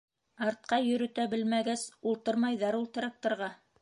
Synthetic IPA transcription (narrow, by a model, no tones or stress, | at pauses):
ɑɾt̪̚qɑjɵ̆ɾɵ̆t̪æbɘlmæɡæsulˠt̪ɤɾmɑjðɑɾulˠt̪ɤ̆ɾɑk̚t̪ŏɾʁɑ